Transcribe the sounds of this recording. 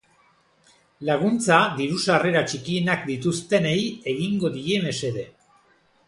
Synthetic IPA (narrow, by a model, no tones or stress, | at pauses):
laɣ̞unt͡sad̪iɾusare̞ɾat͡ʃikienakd̪it̪ust̪e̞ne̞je̞ɣiŋɡo̞ðie̞me̞se̞ðe̞